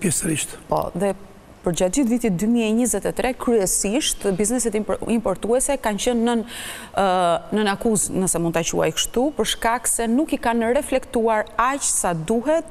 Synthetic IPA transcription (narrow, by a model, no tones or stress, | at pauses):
pjɛsəɾiʃt̪pɔ̰ðɛ | pəɾd͡ʑad̪it̪vit̪it̪̚d̪ymiɛɛɲizɛt̪ɛt̪ɾʔɛkɾyɛsiʃt̪biznɛsɛt̪impɔɾt̪uɛsɛkant͡ɕənːə | nənakuznəsɛmund̪t̪at͡ɕṵa̰jkəʃt̪upəɾʃkaksɛnukikanəɾɛflɛkt̪uaɾat͡ɕsad̪uɦɛt̪̚